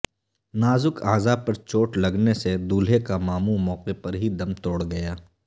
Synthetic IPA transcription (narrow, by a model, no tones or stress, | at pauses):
naːzʊkʰaːzapɐɾt͡ʃoːʈlɐɡnesed̪uːlɦekamaːmumɔːqepɐɾɦid̪ɐmt̪oːɽɡɐjaː